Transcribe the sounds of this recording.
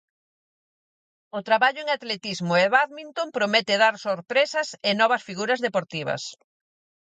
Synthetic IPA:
ʊt̪ɾaβaʎʊeŋat̪let̪izmʊeβaðmint̪ompɾomet̪eðaɾsoɾpɾesɐsenɔβɐsfiɣuɾɐzðepoɾt̪iβɐ̰s

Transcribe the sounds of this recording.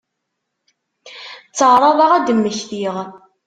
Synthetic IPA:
t͡sːəʕɾˤɑðˤɑʁæd̪əmːəçθiʁ

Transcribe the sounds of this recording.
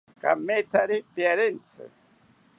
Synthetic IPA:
ka̰mːet̪ʰaɾipjaɾint͡sɨ̰

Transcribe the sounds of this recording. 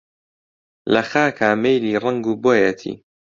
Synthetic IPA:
lɐxaːkʰaːmejliːrˤɐŋɡuːboːjɐt̪ʰḭː

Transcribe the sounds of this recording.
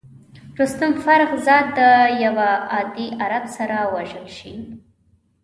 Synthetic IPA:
ɾʊst̪ʊmfaɾɣzɑd̪ːəjawaɑd̪iʔaɾabsaɾawaʒəlʃi

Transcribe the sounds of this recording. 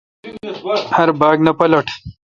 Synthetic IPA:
hɐɾbaːɡnɐpɐlɐʈʰ

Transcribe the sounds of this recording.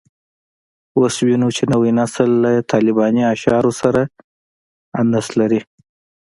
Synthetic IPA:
oswinut͡ʃenawinasəlːat̪ʰɑlɪbɑniaʃɑɾosaɾa | and̪aslaɾi

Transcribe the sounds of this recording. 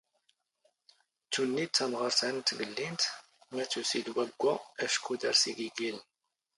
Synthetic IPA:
t͡sːunːit͡sːæmʁəɾsænt̪ːməlːint̪ | mæt͡sːusid̪wæɡʷːææʃkud̪əɾsiɡiɡilən

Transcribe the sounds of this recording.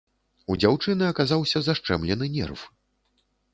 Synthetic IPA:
ud͡zʲawt͡ʂɨnɨɐkazawsʲɐzaʂt͡ʂɛmlʲɛn̪ɨnʲɛ̰rf

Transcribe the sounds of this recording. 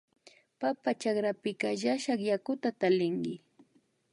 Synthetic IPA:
papat͡ʃakɾapɪkaʒaʃaχjakʊt̪at̪alɪŋɡɪ

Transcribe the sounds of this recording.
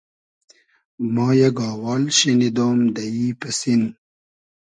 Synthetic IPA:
mɑːjeɡɑːwaːlɕinid̪oːmd̪ɐjiːpəsin

